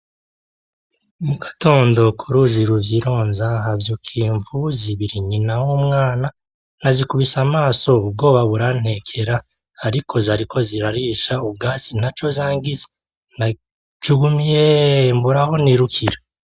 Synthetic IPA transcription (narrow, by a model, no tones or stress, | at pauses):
muɡato̞ːndo̞kʰuɾuziɾuvjiɾoːnzaɦavjukʰiːɱvuziβiɾiɲinawumŋaːna | nazikuβisamaːso̞ub̚ɡo̞ːβaβuɾan̥he̞kʰe̞ɾaː | ɾikʰo̞zaɾikʰo̞ziɾaɾiʃaub̚ɡaːt͡sin̥hat͡ʃo̞zaːŋɡize | na | t͡ʃuɡumijembuɾaho̞niɾukʰiɾa